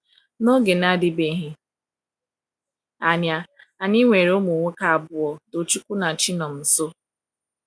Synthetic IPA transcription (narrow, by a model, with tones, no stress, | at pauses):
no˦ɡe˨na˦dɪ˦be˨˦ɦɪ˦ | a˨ɲa˨ | a˨ɲi˦ŋʷe˨ɾo˦mo˨ŋʷe˦ka˨a˨bʊ˨ɔ˨to˨t͡ʃu˦kʷu˦na˨t͡ʃi˦nɔ˨m̩˨so˦